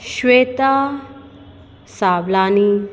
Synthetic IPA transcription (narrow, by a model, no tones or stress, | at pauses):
ɕwet̪a | sablani